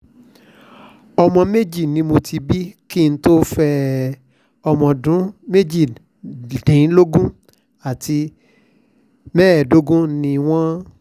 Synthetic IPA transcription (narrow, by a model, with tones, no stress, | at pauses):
ɔ˧mɔ̃˧me˦d͡ʒi˦˨nĩ˨˦mo˧tʰi˧bi˦ki˦˨n̩˦to˦fɛ˧ | ɔ˧mɔ̃˧dũ˨˦me˦d͡ʒi˦˨ | dĩ˨˦lo˦ɡũ˦ | a˦˨tʰi˧ | mɛ̃ː˦ɛ˦˨do˦ɡũ˦nĩ˧w̃ɔ̃˦